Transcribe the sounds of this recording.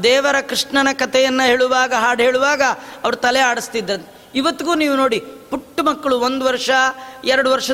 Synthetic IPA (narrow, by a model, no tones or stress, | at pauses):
d̪ɛːʋɐɾɐkɾiʂɳɐnɐkɐt̪ʰɛjɐnːɐɦeːɭuʋaːɡɐɦaːɽɦeːɭuʋaːɡɐɐʋɐɾut̪ɐlɛaːɽist̪id̪ːɾɐnt̪ | iʋɐt̪ːiɡuːniːʋuno̞ːɽipuʈːumɐkːɐɭuond̪uʋɐɾʂɐɛɾɐɽuʋɐɾʂɐ